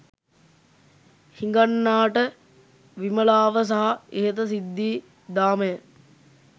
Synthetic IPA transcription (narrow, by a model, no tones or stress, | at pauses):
hiŋɡanːaːʈə | ʋiməlaːʋəs̬aɦaeɦet̪̬əs̬id̪ːiː | d̪aːməjə